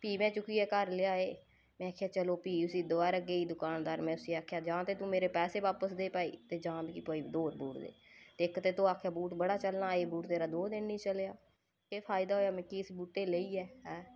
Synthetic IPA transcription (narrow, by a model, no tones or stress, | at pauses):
piːmɛ̃ːt͡ʃʊkiːɛːkəɾlɪjaːeː | mɛ̃ːaːkʰjaːt͡ʃəloːpiːʊsiːd̪oʋaːɾəɡeːiːd̪ʊkaːnd̪aːɾmɛ̃ːʊsiːaːkʰejaːd͡ʒãːt̪eːt̪ũːmeːɾeːpɛːseːʋaːpəsd̪eːpaːḭːt̪eːd͡ʒãːd̪kipoːiːd̪oːɾbuːʈd̪ḛːt̪eːɪkt̪eːt̪ũːaːkʰjaːbuːʈbəɽaːt͡ʃəlnaːeːbuːʈt̪eːɾaːd̪oːd̪ɪnnĩːt͡ʃəlejaː | eːpʰaːɪd̪aːɦoːjaːmɛ̃ːkiːsbuːʈeːleiːɛːɦɛ̃ː